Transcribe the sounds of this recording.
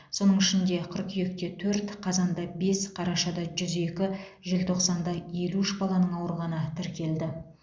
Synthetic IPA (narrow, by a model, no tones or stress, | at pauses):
so̞nəɴɪʃɪnd̪e̞qʰəɾqʰʏje̞kt̪e̞t̪ʰɵɾt̪qʰɑzɑnd̪ɑbe̞sqʰɑɾɑʃɑd̪ɑʒʏze̞kʲɪ | ʒe̞lt̪ʰo̞qsɑnd̪ɑje̞luɪʃbɑlˠɑnəɴɑwɾʁɑnət̪ʰɪɾkʲʰe̞ld̪ɪ